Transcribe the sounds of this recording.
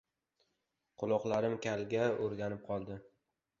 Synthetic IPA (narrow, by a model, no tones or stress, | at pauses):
qʰʊlˠɒqlˠaɾɪmkʲʰalɡʲaoɾɡʲanɪp̚qʰɒlˠd̪ɪ